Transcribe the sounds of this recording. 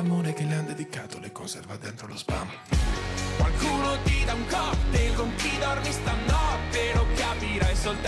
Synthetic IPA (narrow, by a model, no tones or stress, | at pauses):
amoːɾekelːeand̪ed̪ikaːt̪olekonsɛrvad̪ːɛnt̪ɾolospa̰mo | kwalkuːnod̪id̪aŋkɔpd̪elɡoŋkid̪ɔrmist̪anːɔpeɾokapiɾajsolt̪